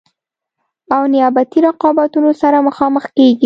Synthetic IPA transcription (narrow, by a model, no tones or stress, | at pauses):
awnɪjabat̪iɾaqɑbat̪unosaɾaməxɑməxkeɡi